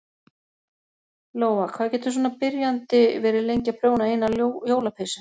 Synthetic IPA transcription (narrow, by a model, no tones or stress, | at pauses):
loːwvakʰvaːðcɛːt̪sɔːnapɪɾjant̪ɪvɛːɾɪlejɲcapʰɾoːwnaɪnːajoːwlapʰejsa